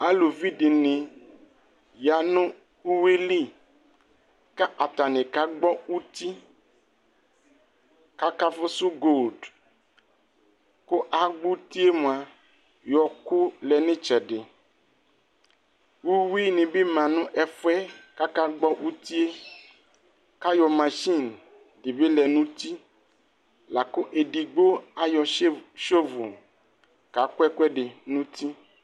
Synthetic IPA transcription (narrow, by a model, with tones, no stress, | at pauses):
a˦lo˨vi˦ɖe˨nẽ˨ | ja˨nũ˦ | u˦we˦li˦ | ka˦ʔa˨t̪a˨nẽ˨ka˦ɡ͡bɔ˦u˦t̪i˦ | ka˦ka˦fo˦su˦ɡo˦˨d | ko˦ʔa˨ɡ͡bu˦t̪i˦e˦mõ˨a˨ | jɔ˨ku˦lɛ˨nẽ˦t͡ʃɛ˨ɖe˨ | wu˦wi˦nẽ˨be˦mã˨nũ˦ʔɛ˨fɛ˦ka˦ka˦ɡ͡bɔ˦wʔu˦t̪i˦e˦ | ka˦jɔ˨mã˨ʃi˦˨n | ɖe˨be˦lɛ˨nũ˦t̪i˦ | la˨ko˦ʔe˨ɖi˨ɡ͡bo˦a˦jɔ˨˦ʃo˦vu˨ | ka˨˦ko˦ɛ˦ku˦ɛ˦ɖe˨nũ˦t̪i˦